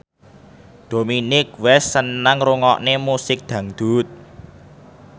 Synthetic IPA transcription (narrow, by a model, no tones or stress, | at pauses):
d̪̥o̤minɪkwɛsːənaŋruŋɔʔnemusɪk̚d̪̥ä̤ŋd̪̥ṳt̪̚